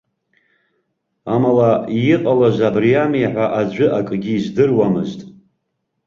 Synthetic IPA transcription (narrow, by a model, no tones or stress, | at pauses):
amalaiɪqʼalaʒʷabrijamejħʷaʔad͡ʒʷʏʔakʼɡʲiːzdɨrwamɨ̰ztʼ